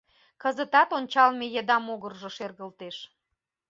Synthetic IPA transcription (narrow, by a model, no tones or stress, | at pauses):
kəzət̪ɑt̪onʲt͡ɕɑlmejed̪ɑmoɣərʒəʃerɣəlt̪eʃ